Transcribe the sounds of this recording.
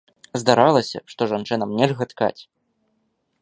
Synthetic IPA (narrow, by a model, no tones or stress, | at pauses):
zd̪aɾalˠɐsʲɐ̰ʂt̪ɔʐant͡ʂɨnɐmnʲɛlʲɣɐt̪ka̰t͡sʲ